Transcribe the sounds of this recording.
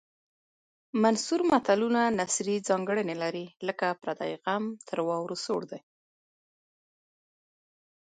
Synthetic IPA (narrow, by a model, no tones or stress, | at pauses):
mansuɾmat̪alunanasɾid͡zɑŋɡəɽənelaɾiləkapɾad̪ɑ̰jɣamt̪ʰəɾwɑwɾosoɽd̪aj